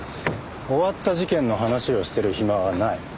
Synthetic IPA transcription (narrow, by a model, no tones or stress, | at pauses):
o̞βat̪ːaʑikẽ̞nːo̞ɦanaɕio̞ɕi̥t̪e̞ɾɯ̟çimaβanai